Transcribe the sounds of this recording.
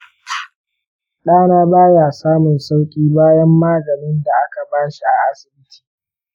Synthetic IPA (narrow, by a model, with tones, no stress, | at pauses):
ɗaː˦naː˦baː˦jaː˨saː˦mʊ˨nsa˦wkʲʼiː˦baː˦jɐ˦mːaː˦ɡɐ˨nɪ˦nda˨ʔa˦ka˨baː˦ʃi˦ʔa˨ʔa˦sɪ˨bɪ˦tʰi̥ː˨